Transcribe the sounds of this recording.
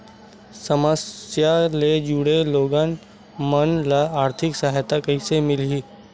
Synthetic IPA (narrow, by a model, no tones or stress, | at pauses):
səməsjaled͡ʒuɽeloːɡaːn | mənlaaːɾt̪ʰɪksaɦjt̪akəisemɪlɦiː